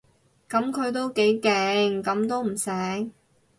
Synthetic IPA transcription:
kɐ˨˥mkʰɵ˨˧ɥt̪̬o˥wke˨˥jkɛː˨˧ŋkɐ˨˥mt̪o˥wm̩˨˩sɛː˨˥ŋ

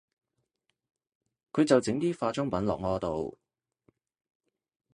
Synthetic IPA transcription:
kʰɵ˨˧ɥt͡sɐ˨wt͡sɪ˨˥ŋt̪iː˥faː˧t͡sʊ˥ŋpɐ˨˥nlɔ̰ː˨k̚ŋɔː˨˧t̪o˨w

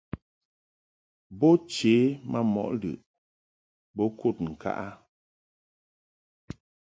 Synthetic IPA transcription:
bɔ˦t͡ʃeː˨˦ma˦mɔ̰˨ʔlɯ̰˨ʔ | bɔ˦kʰu˦˨t̚ŋ̩˨ka̰˦ʔa˦

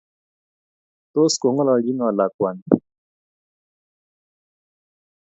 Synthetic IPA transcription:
t̪o˦sko˨ŋɔ˦lɔ˧˨ji˦ŋɔ˨la˨kwa˨n

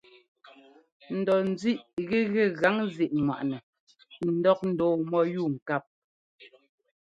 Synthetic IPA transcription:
n̩˨dɔ˨n̩˨d͡zi˦˨ʔɣɛ˦ɣɛ˦˨ɣa˨˦ŋzi˦˨ʔŋwa̰˨ʔnɛ˨ | n̩˨dɔ˦k̚n̩˨dɔː˨mɔ˦ju˦˨ŋ̩˨ka˦˨p̚

